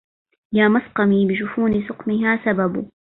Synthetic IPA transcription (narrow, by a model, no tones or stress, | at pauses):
jaːmasqɑmiːbɪʃʊfuːnɪsʊqmɪɦaːsababʊ